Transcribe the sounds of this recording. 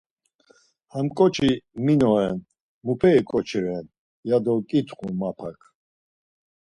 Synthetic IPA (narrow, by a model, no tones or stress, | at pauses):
hamkʼɔt͡ʃʰiminɔɛn | mupʰɛikʼɔt͡ʃʰiɾɛn | jad̪ɔkʼit̪ʰχũmapʰa̰kʰ